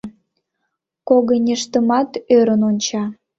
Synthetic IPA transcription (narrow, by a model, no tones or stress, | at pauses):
koɣənʲeʃt̪əmɑt̪øɾənonʲt͡ɕɑ